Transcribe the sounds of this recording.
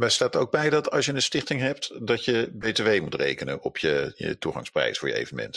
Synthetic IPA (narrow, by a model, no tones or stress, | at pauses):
mɛstaːtəroʊɡ̚bɛjdɑtʰɑlˠsjənənstɪχtɪŋɦɛp̚tdɑtjəbejteʋejmutrḛjkənənɔpʰjəjə̰tuχɑ̰ŋsprɛ̰jsfʊːɹjəḛjvənəmɛ̰nt